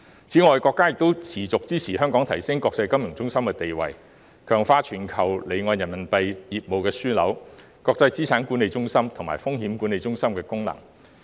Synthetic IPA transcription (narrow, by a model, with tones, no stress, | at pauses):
t͡sʰiː˨˥ŋɔː˨˧jkɔː˧kːaː˥jɪ˨k̚t̪o˥wt͡sʰiː˨˩t͡sʊ˨k̚t͡siː˥t͡sʰiː˨˩ɦœː˥ŋkɔː˨˥ŋt̪ʰɐ˨˩jsɪ˥ŋkɔː˧k̚t͡sɐ˧jkɐ˥mjʊ˨˩ŋt͡sʊ˥ŋsɐ˥mkɛː˧t̪e˨jwɐ̰˨j | kʰœː˨˩ŋfaː˧t͡ʃʰyː˨˩nkʰɐ˨˩wle˨˧jŋɔː˨˧njɐ˨˩nmɐ˨˩npɐ˧jjiː˨p̚mo˨˧wkɛː˧syː˥lɐ̰˨˥w | kɔː˧k̚t͡sɐ˧jt͡siː˥t͡sʰaː˨˥nku˨˥nːe˨˧jt͡sʊ˥ŋsɐ˥mt̪ʰʊ˨˩ŋma̰ː˨˩jfʊ˥ŋhiː˨˥mkuː˨˥ne˨˧jt͡sʊ˥ŋsɐ˥mkɛː˧kʊ˥ŋlɐ̰˨˩ŋ